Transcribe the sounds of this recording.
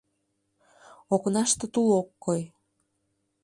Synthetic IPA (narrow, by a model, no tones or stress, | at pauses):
oknɑʃt̪ə̆t̪ulokːoj